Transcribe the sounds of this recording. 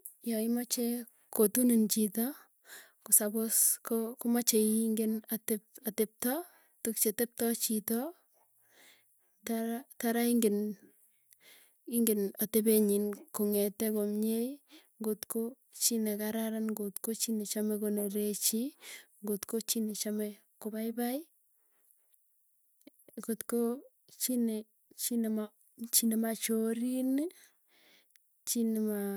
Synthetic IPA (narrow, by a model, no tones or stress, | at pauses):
jɔɪmat͡ʃe | kotunint͡ʃitɔ | kusaboskokʊmat͡ʃeiŋɡenatepatep̚tɔ | tukt͡ʃetep̚tɔt͡ʃitɔ | taataɾaiŋɡɪn | iŋɡenatebeɲinkoŋɛtɛkomɲejŋɡotko | t͡ʃinɛkaɾaɾanɡotkot͡ʃinet͡ʃamekoneɾet͡ʃiŋɡotkot͡ʃinet͡ʃamɛ | kobaɪbai | ɡotko | t͡ʃine | t͡ʃinema | t͡ʃinemat͡ʃoɾine | t͡ʃinema